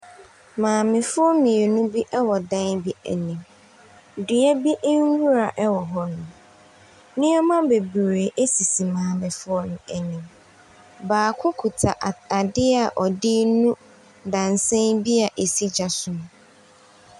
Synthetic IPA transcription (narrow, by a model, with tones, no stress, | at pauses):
mãː˨mɪ̃˨fʊ˦ɔ˦mĩ˨e˨nʊ̃˦bi˦ʔɛ˦wɔ˨dã˦nbi˦æ̰˨nĩ˨m˨ | du˨æ˦bi˦ʔŋ˦wu˦ɾa˨ʔɛ˦wɔ˨ɦɔ˦nʊ̃˨ | nɪ̃˦ɔ˦mã˦be˨bɾe˨ʔe˦si˨si˨mãː˨mɪ̃˨fʊ˦ɔ˦nʊ̃˨ɛ˨nĩ˨m | baː˨kʰʊ˦kʰu˨tʰa˨ʔa˨dɪ˦a˨ʔɔ˨dɪ˦nũ˦ | dã˨n˨sɛ̃˦nbi˦a˨ʔe˨si˦d͡ʑa˨sʊ˨m̃˨